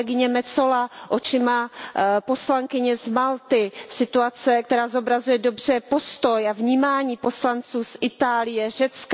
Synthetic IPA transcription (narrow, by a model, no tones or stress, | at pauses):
ɛɡɪɲɛmɛt͡so̞laʔot͡ʃɪmapo̞slaŋkɪɲɛzmalt̪ɪsɪt̪uat͡sɛk̚t̪ɛɾaːzo̞bɾazujɛdo̞br̝̥ɛpo̞st̪o̞javɲiːmaːɲiːpo̞slant͡suːsɪt̪aːlɪjɛʒ̝̥ɛt͡sk